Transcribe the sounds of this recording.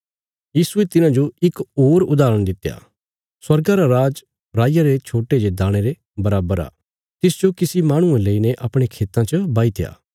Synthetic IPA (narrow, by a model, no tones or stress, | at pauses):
jiːsuet̪ɪnãd͡ʒoɪkoːɾʊd̪aːɾəɽ̃d̪ɪt̪ːja̰ː | swɐɾɡaɾaɾaːd͡ʒ | ɾaːɪjaɾet͡ʃʰoːʈed͡ʒed̪aːɽ̃eɾe | bɐɾaːbəɾa̰ː | t̪ɪsd͡ʒokɪsimaːɽ̃ʊẽləineʔɐpɽ̃ekʰeːt̪ãt͡ʃəbaːit̪ja̰ː